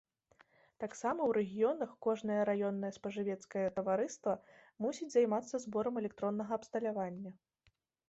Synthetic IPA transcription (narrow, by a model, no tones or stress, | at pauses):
t̪aksamɐwɾɛɣʲijɔnɐxkɔʐnɐjɐɾajɔnːɐjɐspɐʐɨvʲɛt̪skɐjɐt̪ɐvaɾɨst̪vɐmusʲid͡zʲzajmat̪sːɐzbɔɾɐmɛlʲɛk̚t̪ɾɔnːɐɣɐːpst̪ɐlʲavanʲːɐ